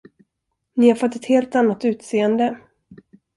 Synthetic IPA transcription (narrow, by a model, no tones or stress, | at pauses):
nɪhaɾfɔt̪ːɛt̪heːlt̪anːat̪ʉ̟ːt̪seːənd̪ə